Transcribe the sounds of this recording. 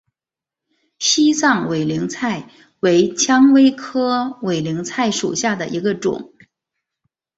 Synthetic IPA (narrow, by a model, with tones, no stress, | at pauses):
ɕi˥sɑ˥˩ŋwe˨˩ɪli˧˥ŋt͡sʰa˥˩ɪ | we˧˥ɪt͡ɕʰjɑ˥ŋwe˥ɪkʰɤ˥we˨˩ɪli˧˥ŋt͡sʰa˥˩ɪʂṵ˨˩ɕja˥˩d̪ə˩ʔi˧˥ɡə˧ʈ͡ʂʊ̰˨˩˦ŋ